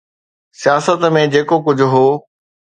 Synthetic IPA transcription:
sijaːsət̪mẽd͡ʑeːkokʊd͡ʑʱʊɦoː

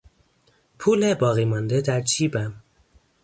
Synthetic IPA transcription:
pʰuːlebɒːɣiːmɒnd̪ed̪æɾt͡ʃʰiːbæm

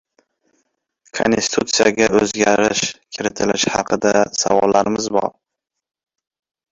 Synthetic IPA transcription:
kʰo̰nsst̪ɪ̥t̪ʰut̪sijaɡʲaɵzɡʲaɾɪʃkʲʰɪɾɪt̪ʰɪlɪʃhɑqʰɨd̪asavɒlːaɾɪmɪzbɒ̰ɾ

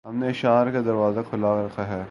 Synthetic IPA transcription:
ɦɐmneɪʃaːɾkad̪ɐɾʋaːzakʰʊlaːkɾɐkʰaɦɛː

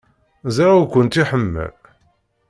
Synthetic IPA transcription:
zaɾukʷːənt̪iħəmːæ̰

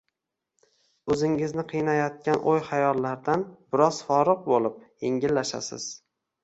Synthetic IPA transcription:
ɵzɪŋɪznɪqʰɨjnajɒt̪̚kʲanʔojχajɒlˠːaɾd̪anb̥ɪɾɒz̥fɒɾɨq̚bolˠɪp̚jeŋʲɪlːaʃa̰sɪ̰z̥

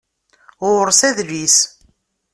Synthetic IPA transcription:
ʊɾsæðlis

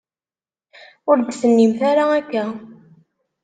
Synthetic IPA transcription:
ʊɾd̪sənːimθaɾaːkːæ

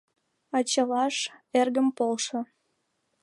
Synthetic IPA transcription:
ɑt͡ɕəlɑʃerɣəmpolʃɤ̆

